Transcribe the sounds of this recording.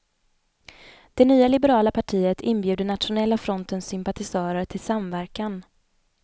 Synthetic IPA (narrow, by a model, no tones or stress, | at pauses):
d̪̥ɛnyːalɪbəɾɑːlapʰaʈʰiːət̪ʰɪnbjʉ̟ːd̪ənat̪ɧʊnɛlːafɾɔnt̪ənsʏmpat̪ɪsɑːɾəɾʈʰɪlsamvæɾkan